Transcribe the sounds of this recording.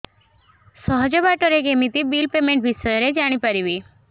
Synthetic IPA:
sɔɦɔd͡ʑɔbaʈɔɾeɡemit̪ibilpemeɳʈ̚bʱisɔjɔɾed͡ʒaɽ̃ipaɾibi

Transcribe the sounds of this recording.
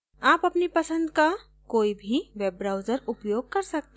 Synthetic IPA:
aːpɐpnipəsə̃nd̪ka | koːibʱiʋebɾaʊd͡ʒəɾʊpjoɡ̚kɐɾsək̚t̪

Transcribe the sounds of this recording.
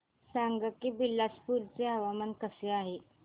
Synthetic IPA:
saŋɡəkiːbilːaspuɾt͡seɦəʋamənkəseaɦe

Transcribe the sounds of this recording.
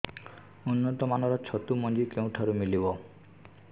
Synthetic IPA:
unːɔt̪ɔmanɔɾɔt͡ʃʰɔt̪umɔnd͡ʒikeũʈʰaɾumilibɔ

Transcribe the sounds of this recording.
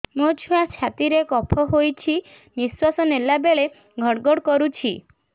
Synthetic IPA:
mod͡ʒʰuat͡ʃʰat̪iɾekɔpʰɔɦojt͡ʃʰi | niswasɔnelabeɭe | ɡʱɔɽɡɔɽkɔɾut͡ʃʰi

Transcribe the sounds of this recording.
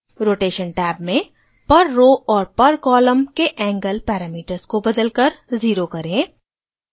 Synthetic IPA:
ɾoːʈeːʃənʈɛːbmẽ | pɐɾːoɔːɾpɐɾkɔːləmkeʔɛ̃ːŋɡəlpɛːɾaːmiːʈəɾzkobɐd̪əlkəɾziːɾokɐɾẽː

